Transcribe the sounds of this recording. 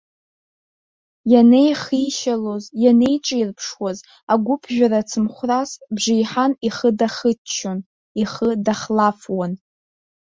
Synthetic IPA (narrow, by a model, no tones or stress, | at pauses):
janejχiʃalo̞zjane̞jʈ͡ʂʼajrpʰʂwaz | aɡʷʊpʰʒʷᶣaɾat͡sʰɨmχʷrasbʐijħaniχədaχət͡ʃʰːon | iχədaχlafwan